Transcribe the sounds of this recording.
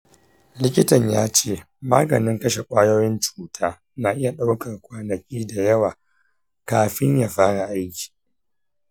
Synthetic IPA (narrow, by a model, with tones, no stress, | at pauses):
lɪ˦kʲɪ˦tɐ˨ɲjaː˦t͡ʃeː˦˨ | maː˦ɡɐ˨nɪ˦ŋkɐ˦ʃe˨kʷʼaː˦joː˦jɪ˦nt͡ʃuː˨tʰaː˦ | naː˨ʔɪ˦ja˨ɗa˦wkɐ˨rkʷaː˦nɐ˨kʲiː˦da˨jɐ˦waː˨ | kaː˨ɸɪ˦ɲjaː˨ɸaː˦ɽa˨ʔa˦jkʲi̥˨